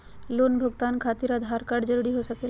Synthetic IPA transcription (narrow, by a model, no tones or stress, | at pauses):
loːnbʱəɡt̪aːnkʰaːt̪ɪɾəd̪ʱaːɾkaːɖd͡ʒəɾuːɾiɦosɐke